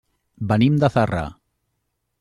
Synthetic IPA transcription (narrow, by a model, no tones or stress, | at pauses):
bənimd̪əθara̰